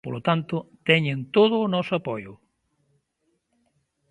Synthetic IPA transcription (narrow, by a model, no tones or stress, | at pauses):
polot̪ant̪ʊt̪ɛɲent̪oð̞ʊːnɔsʊapojʊ